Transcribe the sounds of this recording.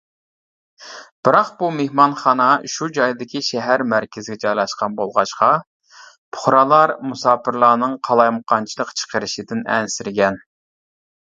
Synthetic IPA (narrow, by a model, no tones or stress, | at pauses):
b̥ɨɾɑqbumehmɑnχɑnɑʃud͡ʒɑjd̪ɪkʲʰiʃɛɦæɾmæɾkʲɪzɪɡʲɛt͡ʃʰɑjlˠɑʃqɑnbolˠʁɑʃqɑ | pʰʊ̥χɾɑlˠɑɾmusɑːpʰɨɾlˠɑːnɨŋqʰɑlˠɑjmqʰɑnt͡ʃʰilˠəqt͡ʃʰə̥qʰəɾɪʃɪd̪ɪnɛ̰nsɪɾɡʲɛn